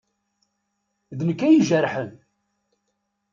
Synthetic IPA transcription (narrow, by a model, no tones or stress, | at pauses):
ðnəkːæjiʒəɾħən